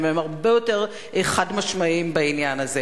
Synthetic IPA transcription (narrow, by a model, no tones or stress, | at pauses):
memaʁbe̞jo̞te̞ʁ | eχadmaʃmaimbainjanaze